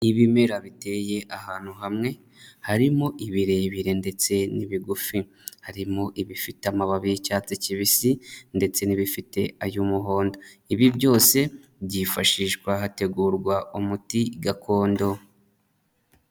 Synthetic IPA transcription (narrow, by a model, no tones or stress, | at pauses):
iβime̞ɾaβite̞ːje̞ʔahaːn̥huɦamŋe̞ | haɾimoʔiβiɾe̞ːβiɾe̞nde̞t͡se̞niβiɡufi | haɾimoʔiβifitamaβaβijicaːt͡seciβisinde̞t͡se̞niβifite̞̰ajumuɦo̞ːndo̞iβibɟo̞ːse̞bɟifaʃiːʃɡwaɦate̞ɡuːɾɡwaumutiɡakʰo̞ːndo̞